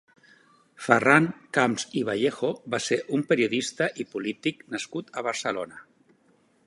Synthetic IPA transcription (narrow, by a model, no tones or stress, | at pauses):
fəraŋkamziβ̞aʎexoβaseʔumpəɾiuðist̪əʔipulit̪iknəskut̪əβ̞əɾsəlonə